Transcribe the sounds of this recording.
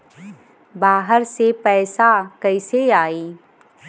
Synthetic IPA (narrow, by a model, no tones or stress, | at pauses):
baːɦəɾsepɛːsakəɪseaːiː